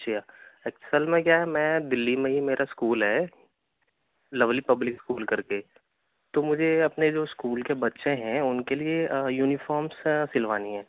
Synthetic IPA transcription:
t͡ʃijaeksəlmẽkjaɦɛmɛ̃ːd̪ɪlːimẽɦimeːɾʔaskuːlɦɛ | lɐʋlipɐblɪkskuːlkɐɾke | t̪omʊd͡ʒʱeɐpned͡ʒoːskuːlkebɐt̪ːʃẽɦɛ̃ʊnkeliejuːnɪfɔːɾmssɪlʋaːniɦɛ̃ː

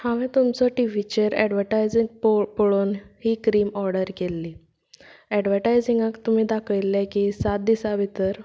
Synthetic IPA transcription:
haʋɛ̃t̪umt͡sɔʈiʋit͡ɕeɾɛ̰ɖʋəɾʈajd͡ziŋɡppoɭoːnhiːkɾiːmɔɾɖəɾkelːiː | ɛɖʋəɾʈajd͡ziŋɡə̃kt̪um̤iːd̪akʰəjlːɛkiːsat̪̚d̪isabʱit̪əɾ

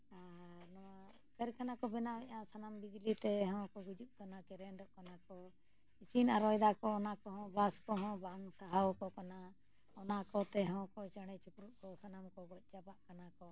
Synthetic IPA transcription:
anɔa | kɛɾkʰanakɔbɛnaɛʔãsanambid͡ʒlit̪ɛɦɔ̃kɔɡud͡ʒuʔ̚kanakɛɾɛnɖɔʔkanakɔ | isinaɾɔjd̪akɔːnakɔɦɔ̃baskɔɦɔ̃baŋsaɦawkɔkana | ɔnakɔt̪ɛɦɔ̃kɔt͡ʃaɽ̃ɛt͡ʃupɾuʔ̚kɔsanamkɔɡɔc̚ˀt͡ʃabaʔkanakɔ

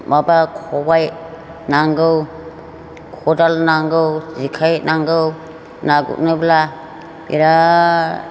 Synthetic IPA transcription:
mabakʰɔbaj | naŋɡɯw | kʰɔdalnaŋɡɯwzikʰajnaŋɡɯw | naɡṵʔ̚nɯbla | bḭɾa

